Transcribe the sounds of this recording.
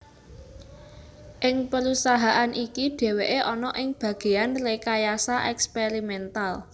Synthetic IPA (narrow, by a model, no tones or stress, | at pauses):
ʔɪŋpəɾusaɦaʔanʔikiɖ̥e̤weʔeʔɔnɔʔɪŋb̥ä̤ɡ̥e̤anlekajasaʔɛkspeɾimɛnt̪al